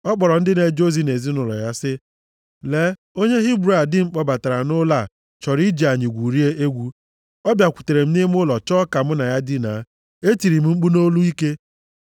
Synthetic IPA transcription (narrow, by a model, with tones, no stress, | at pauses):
ɔ˦k͡pɔ˨ɾɔ˨n̩˦dɪ˦ne˨d͡ʒo˦zi˦ne˨zi˦nʊ˨lɔ̰˨ja˦sɪ˦ | le˦ | o˦ɲe˦ɦi˦bɾa˨dɪ˦ŋ͡m̩˦k͡pɔ˦ba˨ta˨ɾa˨nʊ˦la˦˨ | t͡ʃɔ˨ɾi˦d͡ʒa˨ɲɪ˨ɡʷu˨ɾi˦e˦ʔe˦ɡʷu˦ | ɔ˦bja˨kʷu̥˨te˨ɾe˨m̩˦ni˦m˦ʊ˦lɔ˨t͡ʃɔ˦ka˨m̩˦na˨ja˦dɪ˦na˨˦ | e˦ti˨ɾi˨m̩˦ŋ͡m̩˦k͡pu˦no˦lu˦i˦ke˦